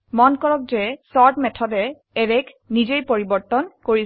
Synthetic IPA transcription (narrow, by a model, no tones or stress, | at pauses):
mɔnkɔɹɔk̚zɛsɔɹtmɛtʰɔdɛ | ɛɹɛkʰ | nizejpoɹibɔɹtɔnkoɹi